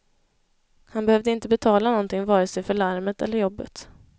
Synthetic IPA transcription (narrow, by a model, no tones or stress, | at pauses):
hanbɛhœvd̪əɪnt̪əbɛt̪ʰɑːlanɔnt̪ɪŋvɑːɾəsɛjfœɭaɾmət̪ɛlːəɾjɔbːə̰t̪